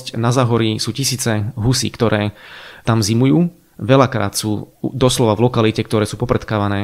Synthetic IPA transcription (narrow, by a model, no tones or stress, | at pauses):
cnazaːɦɔɾisuːcisiːt͡sɛɦusḭːkt̪ɔɾʔɛːt̪amzimujuː | ʋɛʎakɾa̰ːt̪suːd̪ɔslɔʋaʋlɔkalicɛk̚t̪ɔɾɛːsuːpɔpɾɛt̪kaːʋanɛː